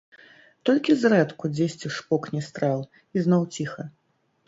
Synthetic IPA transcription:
t̪ɔlʲkʲizrɛt̪kud͡zʲesʲt͡sʲiʂpɔknʲɛst̪ɾalˠ | iznɔwt͡sʲixɐ

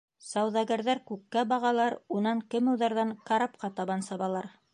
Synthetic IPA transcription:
sɑwðɑɡæɾðæɾkʉkːæbɑʁɑlˠɑɾunɑŋkɘmŭwðɑɾðɑŋkɑɾɑp̚qɑt̪ɑβɑnsɑβɑlˠɑɾ

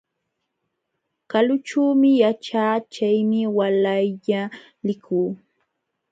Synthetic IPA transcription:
kalʊt͡ʃuːmɪjat͡ʃaːt͡ʃajmɪwalajʎa | lɪkʰuː

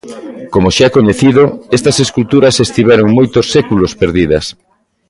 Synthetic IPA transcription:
komoʃaɛkoɲeθiðoest̪ɐseskult̪uɾɐsest̪iβɛɾoŋmojt̪osːɛkulospeɾðiðɐs

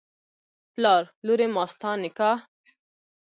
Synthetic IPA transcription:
plɑːɾluɾemaːst̪ʰɑ̃ːnika

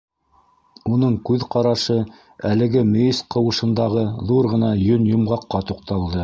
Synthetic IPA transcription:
unɤɴkʉðqɑɾɑʃɤ | ælɘ̆ɡɘmɵ̆is̚qɤ̆wɤ̆ʃɤ̆nd̪ɑʁɤðuɾʁɤ̆nɑjɵnjŏmʁɑqːɑt̪uq̚t̪ɑlˠd̪ɤ

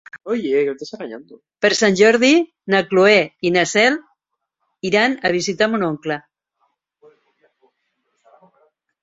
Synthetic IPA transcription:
ojeket̪esaɣaɲa̰nd̪o | pəɾsanʲʒɔɾð̞i | naklueinasɛl | iɾanaβ̞isit̪amunoŋkla

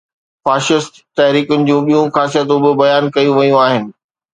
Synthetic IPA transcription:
faːʃɪst̪t̪ɐɦɾiːkʊnɪ̆d͡ʑũːɓijũxaːsijət̪̬ũbɪbɐjaːnkɐjũʋɐjũaːɦɪnɪ̆

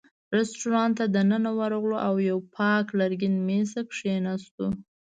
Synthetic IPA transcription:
ɾesʈuɾɑnt̪ad̪ənənawaɾoɣloʔawjawpʰɑklaɾɡʲɪnmesakʂenast̪u

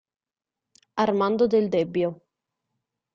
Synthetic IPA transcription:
armand̪od̪eld̪ɛbːjo

